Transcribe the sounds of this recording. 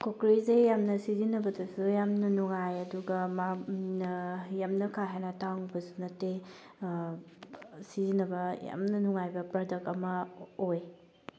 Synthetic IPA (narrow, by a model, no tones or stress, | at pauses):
kokɾizejamnɐsizinɐbɐdɐsujamnɐnuŋajɐduɡɐmanjamnɐkʰaɦajnataŋbɐsunɐte | sizinɐbɐja̰mnɐnuŋajbɐpɾadɐk̚ɐmɐoj